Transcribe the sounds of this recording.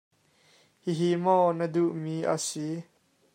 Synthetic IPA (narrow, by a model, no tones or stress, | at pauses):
hiɦimɔnəduʔmiʔa̰si